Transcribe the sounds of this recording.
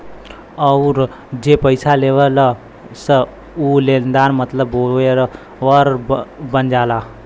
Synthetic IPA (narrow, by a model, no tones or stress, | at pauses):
əʊɾ | d͡ʒepəɪsaleːʋələ | sə | uleːnd̪aːɾmət̪ləboeɾ | ʋəɾbənd͡ʒaːlaː